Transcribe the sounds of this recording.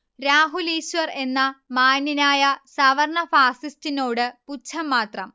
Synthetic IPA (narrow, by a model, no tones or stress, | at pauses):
ɾaːɦuliːɕʋɐre̞nːɐmaːninaːjɐsɐʋɐrɳɐfaːsistinoːɽɨput͡ɕʰːɐmːaːt̪rɐm